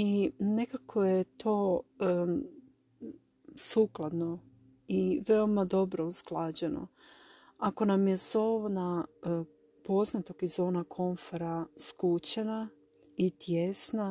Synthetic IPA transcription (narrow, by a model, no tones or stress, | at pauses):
ine̞kakʰojet̪ʰo̞ː | suklˠad̪no̞ | iʋe̞omad̪o̞bɾo̞usklˠad͡ʑeno̞̰ | ako̞namje̞zoʋna | po̞znat̪oɡizonakʰo̞ɱfoɾaskut͡ɕena | it̪jesna